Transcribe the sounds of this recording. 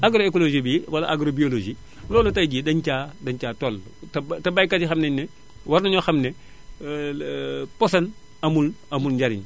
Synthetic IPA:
aɡɾoekoloʒibiwɐla̰ʔaɡɾobioloʒi | lɔːlɐtajɡidɐɲt͡ʃaːdɐɲt͡ʃaːtolttɐbajkatixɐmneɲnɛ | waɾnɐɲoxɐmne | posɐn | ɐmulɐmulɲɟaɾḭn

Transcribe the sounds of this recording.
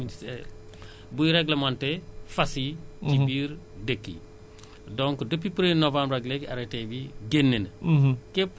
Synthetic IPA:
bujɾɛɡləmãntɛfɐsitibiːɾ | dəkːḭ | dɔ̃ŋkdəpːipɾenovãmbɾɐɡlekɐɾetebiɡenːenkep

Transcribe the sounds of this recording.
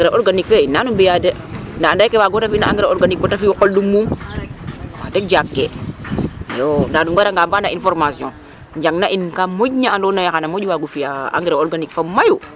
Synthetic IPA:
aŋɡɾaʔoɾɡanikfeinːanumbijade | ndaːndakewaɡotafinaa̰ŋɡɾaoɾɡanik̚botafiwokoldumːum | wa̰dekd͡ʒakːe | jondaduŋɡaɾaŋɡaːbanainfɔɾmasɔ̰̃ | ɲd͡ʒaŋnaʔinkamoɟɲaandonajakanamod͡ʒwaɡufijaa̰ŋɡɾaoɾɡanikfamaju

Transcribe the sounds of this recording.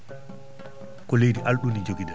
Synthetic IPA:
kɔlejdiʔalɗunid͡ʒoɡidɛ

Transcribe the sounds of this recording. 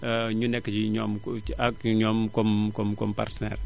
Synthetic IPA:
əɲunɛkːd͡ʒiɲɔmakɲɔmkɔmkɔmkɔmpa̰rtənɛ̰r

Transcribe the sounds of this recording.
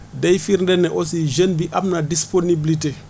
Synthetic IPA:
dejfiɾndɛnɛʔosiʒenbiʔamnadisponibliti

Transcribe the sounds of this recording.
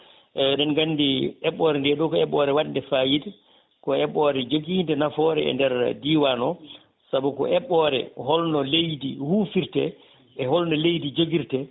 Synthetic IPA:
ʔɛnɛnɡanːdiʔɛɓːɔːɾɛndɛɗɔkɔɛɓːɔɾɛwaɗndɛfaːjid | kɔɛɓɔɾɛd͡ʒoɡiːndɛnafɔɾɛɛ̰ndɛɾdiwanɔ | sabukɔ̰ʔɛɓːɔːɾɛ̰hɔlnɔlejdihuːfiɾtɛ̰ | ɛɦɔlnɔlejdid͡ʒoɡiɾtɛ

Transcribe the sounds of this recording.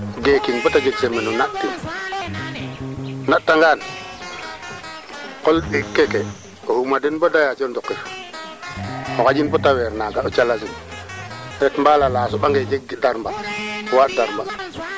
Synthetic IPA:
ɡekinbɔtad͡ʒeɡsemɛnɔnatti | natːaŋɡaːn | kɔlɗikːɛkɛ | ɔhumadinbɔdajat͡ʃɛndɔkːif | ɔkad͡ʒinbɔtawɛɾnaɡaɔt͡ʃalazin | ɾɛtmbalalaːsɔɓaŋɡed͡ʒeɡdaɾmbawatdaɾmba

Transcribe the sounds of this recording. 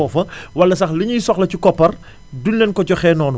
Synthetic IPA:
ɔːfɐwɐlːɐsɐxliɲujisɔxlɐcukɔpːɐr | dunːɛnkɔcɔxɛːnɔːn

